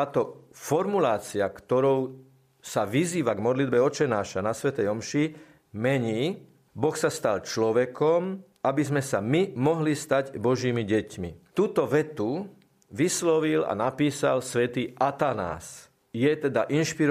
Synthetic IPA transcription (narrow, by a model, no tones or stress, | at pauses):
aːt̪ɔfɔɾmulaːt͡siakt̪ɔɾɔʊ | saʋiziːʋaɡmɔd̪lid̪bɛɔt͡ʃɛnaːʃanasʋɛt̪ɛjɔmʃi | mɛɲiː | bɔxsast̪alt͡ʃlɔʋɛkɔm | abizmɛsamimɔɦlist̪aɟbɔʒiːmiɟɛcmḭt̪uːt̪ɔʋɛt̪u | ʋislɔʋila̰napiːsa̰lsʋɛt̪iːʔat̪ana̰ːs | jɛt̪ɛd̪aʔinʃpiɾ